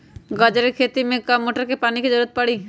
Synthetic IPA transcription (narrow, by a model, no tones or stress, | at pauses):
ɡəd͡ʒəɾekʰeːt̪imẽkɐmːoːʈəɾkepaːniked͡ʒəɾuːət̪̚pəɽiː